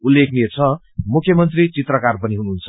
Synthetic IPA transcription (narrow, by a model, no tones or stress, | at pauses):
ulːek̚niet͡sʰʌ | mukʰjʌmʌnt̪rit͡sit̪rʌkarpʌniɦunuɦunt͡sʰʌ